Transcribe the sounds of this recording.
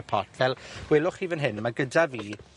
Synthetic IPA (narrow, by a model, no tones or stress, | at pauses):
pʰɔ̰rtʰvɛlˠwɛlˠʊχivənɦɪnmaɡədaviː